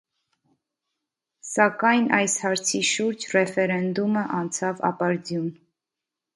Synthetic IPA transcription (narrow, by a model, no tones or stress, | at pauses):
sɑkɑjnʔɑjshɑɾt͡sʰiʃuɾd͡ʒrɛfɛɾɛnd̪uməʔɑnt͡sʰɑvɑ̰pɑɾd͡zjun